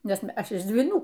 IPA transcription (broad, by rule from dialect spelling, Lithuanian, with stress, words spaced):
ˈnʲɛs ˈɐʃ ɪʃ dʲʋʲiːˈnuː